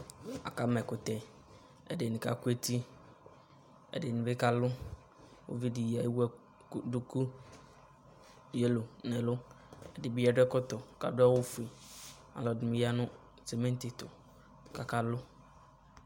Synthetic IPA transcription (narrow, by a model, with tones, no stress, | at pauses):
a̰˨ka˨˦mɛ˨kʊ˨tɛ˨ | ɛ̰˨dɪ˨nɪ̃˨ka̰˨ku˦e˦ti˦ | ɛ̰˨dɪ˨nɪ̃˨bɪ˦ka˦lʊ˦ | wʊ̰˦vi˦di˨ji˨a˨˦wɛ˦ | du˨ku˦ | je˦lo˨nɛ˨lʊ˦ | ɛ˨dɪ˨bi˦a˦dɛ˦kɔ˦tɔ˨ka̰˨dʊ˦a˦wʊ˦fu˨i˨ | a̰˨lɔ˨dɪ˨mɪ̃˨ja˦nʊ̃˦ | se˨mẽ˦n˦tɪ˨tʊ˨ | ka˨ka˨lʊ˦